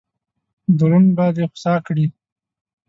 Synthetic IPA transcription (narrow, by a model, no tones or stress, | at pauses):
d̪uɾunbɑd̪exʊ̥sɑkɽi